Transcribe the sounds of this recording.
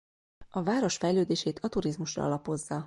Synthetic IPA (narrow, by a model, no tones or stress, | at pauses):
ɒvaːɾo̞ʃfɛjløːd̪eːʃeːt̪ʰɒt̪uɾizmuʃrɒ̰ɒ̰lɒpo̞zːɒ